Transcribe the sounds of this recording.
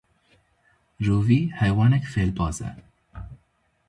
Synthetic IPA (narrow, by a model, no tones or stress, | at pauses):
ɾuːviːhɛjwɑːnɛkfeːlbɑːzɛ̰